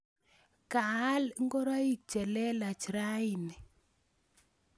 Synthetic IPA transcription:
ka˨˦lŋɡɔ˦ɾa˦i˦k̚t͡ʃɛ˨lɛ˦la˨t͡ʃi˨ɾa˦i˨nɛ˨

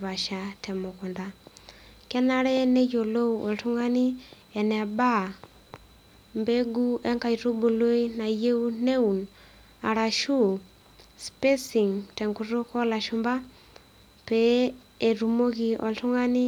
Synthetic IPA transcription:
βa˨ʃa˨tɛ˨mʊ˨ku˨nda˦ | kɛ˦na˦ɾɛ˦nɛ˦jo˨lo˦wɔ˨ltu˦ŋa˦ni˦ | ɛ˨nɛ˨ba˦ | mbe˦ɡu˦ɛ˦ŋka˨jɾu˦bo˨lo˦i˦na˨je˦u˦ne˦u˨n | a˨ɾa˨ʃu˦ | spe˦si˨ŋtɛ˨ŋku˨ɾu˦kɔ˦la˨ʃu˦mba˦ | pɛː˨ | ɾu˨mo˦ki˨ʔɔ̰˨ltu˦ŋa˦ni˦

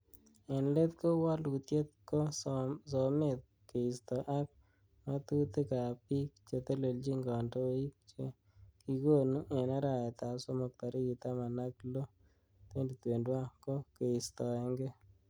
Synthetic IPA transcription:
e˨nle˦t̪ko˦wa˦lu˨t̪je˦t̪̚ko˦sɔ˨me˦t̪̚ | ke˨i˨st̪ɔ˨ʔa˦k̚ | ma˦t̪u˦t̪e˦ka˨pi˦k̚t͡ʃe˧t̪e˦le˨ld͡ʒi˦ŋɡɔ˨ndo˦i˦k̚t͡ʃe˦ | kiko˦˨nu˦ʔe˨na˦ɾa˨ɛ˨t̪a˨so˦mɔ˨k̚t̪a˨ɾi˦ki˨t̪a˦ma˨na˦klo˦ | t̪e˦ndi˨t̪we˨ndwa˦ko˦ke˨i˨st̪ɔ˨ɛ˧ŋɡɪ˦

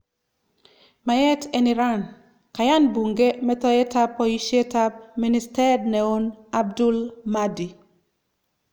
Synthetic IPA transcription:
ma˨jɛ˦teni˨ɾa˦n | ka˨ja˦nbu˨ŋɡe˦mɛ˦tɔ˦jɛ˦ta˦pːɔiʃe˦ta˦p̚mi˦ni˦stɛ˦dnɛ˨o˦na˦b̚du˦lma˦di˨

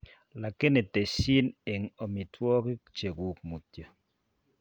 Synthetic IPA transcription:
la˨kɪ˦ne˨t̪e˨si˦ne˨ŋɔ˨mɪ˨tʰwɔ˦kɪ˦t͡ʃe˨ɡu˨k̚mu˨t̪jo˨

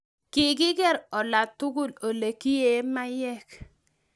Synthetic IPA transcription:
ki˨ɡɪ˦ɡɛ˦ɾɔ˨la˨tu˦ɡu˦lo˨le˨ki˦je˨˦ma˦jɛ˦˨k

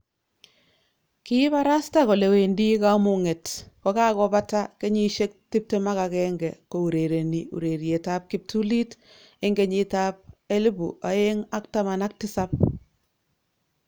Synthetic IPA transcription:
ki˦βa˦ɾa˦sta˦kɔ˨le˨we˨ndi˦ka˦mʊ˨ŋe˨tkɔ˦ka˦kɔ˦pa˦ta˦ke˦ɲi˦ʃe˦k̚ti˦p̚tema˦ka˨kɛŋɡɛ˨ko˨u˨ɾe˨ɾe˨niṵ˨ɾe˨ɾje˨ta˦p̚ki˦p̚tu˦li˦t | e˦ŋɡe˨ɲi˦ta˦p̚e˦li˦bṵ˨a̰˨e˦ŋa˦kta˦ma˨na˦k̚tɪ˦sa˦p̚

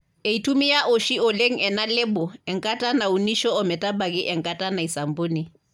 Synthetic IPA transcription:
e˨i˨tʰu˦mi˦ja˦ʔo˨ʃi˦ʊ˨le˦ŋ̩˦ɛ˨na˦lɪ˦bɔ˨ɛ˨ŋ̩˨kʼa˦tʼa˦na˨u˨ni˦ʃɔ˦ɔ˨mɛ˨tʼa˦ba˨kʼɪ˦ʔɛ˨ŋ̩˨kʼa˦tʼa˦na˨i˨sa˨mboː˦ni˨

